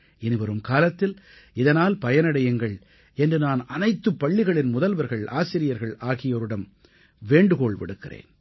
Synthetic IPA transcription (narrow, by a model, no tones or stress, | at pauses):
ɛnɯʋɐɾɯmkaːlɐt̪ːɪl | ɪðɐnaːlpɐjɐnɐɽɐjɐŋɡɐɭ | ɛndrɯnaːnɐnɐɪt̪ːɯpːɐɭːɪɣɐɭɪnmʊðɐlʋɐɾɣɐɭa̰ːsɪɾɪjɐɾɣɐɭaːɣɪjɔɾɯɽɐm | ʋeːɳɖɯkoːɭʋɪ̰ɽɯkːɪrḛːn